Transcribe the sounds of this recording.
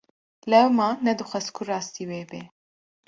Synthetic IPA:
lɛwmɑːnɛd̪ɨxʷɛskʰurɑːst̪iːweːbeː

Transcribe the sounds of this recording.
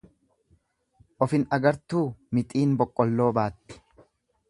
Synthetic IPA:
ʔɔfɪnɐɡɐɾt̪uːmɪt̪ʼiːnbɔkʼːɔlːo̞ːbaːt̪ːɪ̥

